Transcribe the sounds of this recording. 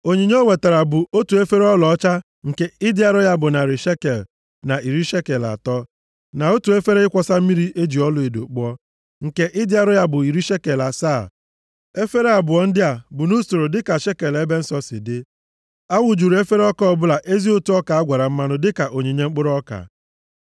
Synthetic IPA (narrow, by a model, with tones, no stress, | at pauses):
o˨ɲi˨ɲ˦o˦we˨ta˨ɾa˨bʊ˨o˦tu˨e˦fe˦ɾe˦ɔ˦lɔ˨˦t͡ʃa˦ | ŋ̩˨ke˦ɪ˦dɪ˦a˦ɾʊ˦ja˦bʊ˨na˨ɾɪ˨ʃe˦ke˨l | na˨i˨ɾi˦ʃe˦ke˨la̰˨tɔ˦ | na˨o˦tu˨e˦fe˦ɾe˦ɪ˦kʷɔ˦sa˦m̩˦mi˦ɾi˦ʔe˦d͡ʒi˨ɔ˦lʊ˨e˨do̰˨k͡pɔ˦ | ŋ̩˨ke˦ʔɪ˦dɪ˦a˦ɾʊ˦ja˦bʊ˨i˨ɾi˦ʃe˦ke˨la˨saː˦˨ | e˦fe˦ɾe˦a˨bʊ˨ɔ˨˦n̩˦dɪ˦a˨bʊ˨nu˦so˨ɾo˨dɪ˦ka˨ʃe˦ke˨le˦be˦n̩˦sɔ˦sɪ̰˨dɪ˦ | a˦wʊ˨d͡ʒu˨ɾe˦fe˦ɾe˦ɔ˦kɔ˦˨bʊ˦la˨ʔe˦zi˦o˦tu˦ɔ˦ka˨a˦ɡʷa˨ɾa˨m̩˦ma˦nʊ˦dɪ˦ka˨ʔo˨ɲe˨˦ɲe˦ŋ͡m̩˦k͡pʊ˦ɾɔ˦ka̰˨